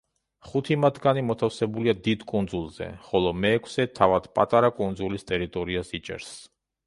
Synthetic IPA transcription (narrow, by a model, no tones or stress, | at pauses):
χut̪ʰimad̪ɡanimɔt̪ʰafsɛbuliad̪id̪kʼund̪zulˠz̥ɛ̰χɔlɔmɛːkʰsɛt̪ʰavad̪̥pʼat̪ʼaɾakʼund̪zulist̪ʼɛɾit̪ʼɔɾiasit͡ʃʼɛ̰ɾs